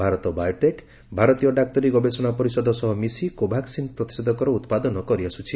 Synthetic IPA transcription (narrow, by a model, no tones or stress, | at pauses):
bʱaɾɔt̪ɔbajɔʈek | bʱaɾɔt̪ijɔɖak̚t̪ɔɾiɡɔbesɔñapɔɾisɔd̪ʱɔsɔɦɔmisikobʱaksinpɾɔt̪i̥sed̪ɔkɔɾɔut̪pad̪ɔnɔkɔɾiasut͡ʃʰi